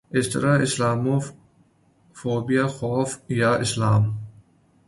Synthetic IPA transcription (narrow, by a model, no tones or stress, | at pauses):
ɪst̪əɾaɪslaːmo | foːbiaxɔːfjaɪslaːm